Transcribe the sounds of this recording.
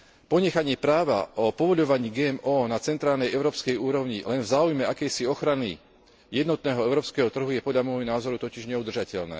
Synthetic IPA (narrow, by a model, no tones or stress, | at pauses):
pɔɲɛxaɲɪɛpɾaːʋa̰ʔɔpɔʋɔʎɔʋaɲiːɡɛːɛmɔːnat͡sɛnt̪ɾaːlnɛjʔɛʊɾɔːpskɛjuːɾɔʊɲilɛnvzaːujmɛʔakɛjsiɔxɾani | jɛd̪nɔt̪nɛːɦɔɛʊɾɔːpskɛːɦɔt̪r̩ɦujɛpɔd̪ʎamɔjɦɔnaːzɔɾut̪ɔciʒɲɛud̪r̩ʒacɛʎnɛ̰ː